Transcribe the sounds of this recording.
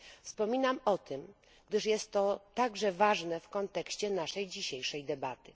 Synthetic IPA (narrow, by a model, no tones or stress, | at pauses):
fspɔmʲinamɔt̪ɘm | ɡ̥d̪ɘʂjɛst̪ːɔt̪aɡʐɛvaʐnɛfkɔnt̪ɛkɕt͡ɕɛnaʂɛjd͡ʑiɕejʂɛjd̪ɛbat̪ɘ